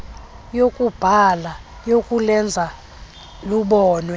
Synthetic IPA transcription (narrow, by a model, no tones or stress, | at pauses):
jokʼub̥ʱala | jokʼulɛnd͡zʱa | luɓɔːnwɛ